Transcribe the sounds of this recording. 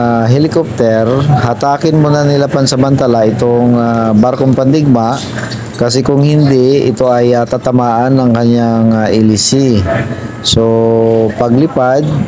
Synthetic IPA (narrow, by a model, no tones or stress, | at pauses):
ɦɛlɪkop̚t̪ɛɾhat̪aːkɪnmonɐnɪlapansɐmɐnt̪alaʔɪt̪oŋabaɾkoŋpɐnd̪ɪɡ̚maʔ | kɐs̬ɛkʊŋhɪnd̪ɪɪ̰t̪oʔɐjat̪at̪ɐmaːʔanːɐŋkɐɲjaŋaʔɪlɪsi | sopɐɡlɪpad̪̚